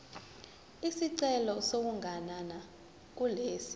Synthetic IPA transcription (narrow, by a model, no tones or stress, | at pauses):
isiǀɛlɔsok̬uŋʱanana | k̬uleːsi̥